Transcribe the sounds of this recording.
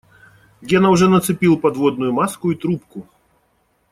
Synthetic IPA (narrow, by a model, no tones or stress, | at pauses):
ɡʲenɐʊʐɛnɐt̪sɨpʲilˠpɐd̪vod̪̚nʊjʊmaskʊit̪ɾupkʊ